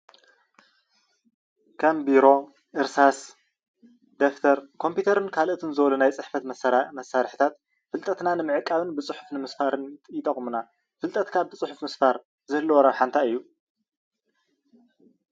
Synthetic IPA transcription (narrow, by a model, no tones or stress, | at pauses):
kʰɐmbiɾo̞ | ʔɨɾsas | d̪eft̪ʰɐɾkʰo̞mpʰjut̪ʰɐɾɨnkʰalʔt̪ʰɨnzɨβlunajt͡sʼɨħfɐt̪mmɐsːaɾħɨt̪ʰat̪ | fɨlt̪ʼɐt̪nanɨmɨʕɨkʼːaβɨnbɨt͡sʼɨħu̥fnɨmɨsfaɾɨnjɪt̪ʼɐχʼmuna | fɨlt̪ʼɐt̪kʰaβ̚t̪ʰɨt͡sʼɨħufmɨsfaɾ | zɨhɨlːuwɔɾɐħant̪ʰaɨjːu